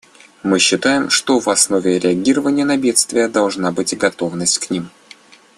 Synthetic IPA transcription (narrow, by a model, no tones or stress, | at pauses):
mɨɕːɪt̪ajɪmʂt̪o̞vɐsno̞vʲɪɾʲɪɐɡʲiɾəvənʲɪjənɐbʲe̞t̪st̪vʲɪjəd̪ɐlˠʐnabɨtʲɡɐt̪o̞vnəsʲtʲknʲim